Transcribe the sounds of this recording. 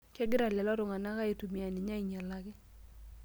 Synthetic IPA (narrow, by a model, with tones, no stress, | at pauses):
kɛ˦ɡɪ˦ɾa˨lɛ˨lɔ˦ɾʊ˨ŋa˨na˦ka˦e˨tu˨mi˨a˨nɪ˨ɲa˦i˨ɲa˨la˦ɡɪ˦